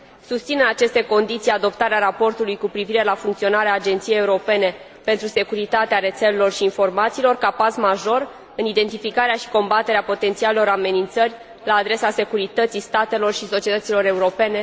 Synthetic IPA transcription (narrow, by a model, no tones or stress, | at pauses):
sust̪sineat͡ʃe̞st̪e̞ko̞nd̪it̪sijad̪o̞pt̪aɾeaɾapo̞rt̪ulujkupɾiviɾe̞lafuŋkt̪io̞naɾeaːd͡ʒe̞nt̪sijejeuɾo̞pe̞ne̞ | pe̞nt̪ɾuse̞kuɾit̪at̪eaɾe̞t̪se̞lelo̞rʃiːnfo̞rmat̪siːlo̞rkapasmaʒo̞r | ɨnid̪e̞nt̪ifikaɾeaʃi̥ko̞mbat̪e̞ɾeapo̞t̪e̞nt̪sialelo̞ɾame̞nint̪sərʲ | laːd̪ɾe̞sase̞kuɾit̪ət̪sist̪at̪e̞lo̞rʃiso̞t͡ʃie̞t̪ət̪silo̞ɾe̞uɾo̞pe̞ne̞